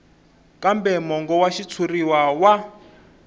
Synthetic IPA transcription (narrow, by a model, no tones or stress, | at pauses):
kʼambɛmɔŋɡɔwaʃit͡sʰuriwawa